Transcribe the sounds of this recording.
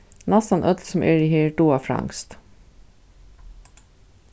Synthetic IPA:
næst̪ɑnʔœt̪lsɔm̩ʔeːɹɪhiːɖuːɑfɾɑ̰ŋst̪

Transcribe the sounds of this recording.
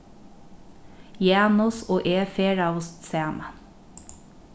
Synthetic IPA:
jæːnʊsoːʔeːfeːɹɑʊst̪seːmə

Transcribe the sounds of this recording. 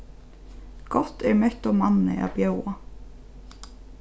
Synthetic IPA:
kɔht̪ɛɾmɛht̪ɔɣmanːɪ̰ʔa̰ðpjoːwa

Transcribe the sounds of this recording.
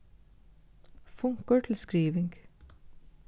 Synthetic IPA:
fʊŋkəʈʰl̩skɹiːʋɪŋɡ

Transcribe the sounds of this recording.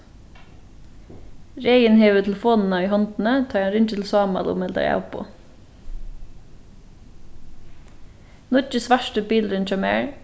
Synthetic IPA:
ɾeːənheːʋət̪ʰɛləfoːnn̩ɑːiːhɔnt̪n̩ət̪ʰɑːɑnɾʏntət̪l̩sɑːmɑ̰lṵːmɛld̪ɑ̰jæ̰pʰo̰ː | nɔt͡ʃəsʋæʃʈəbiːlɾʉnt͡ʃɑmḛːɹ

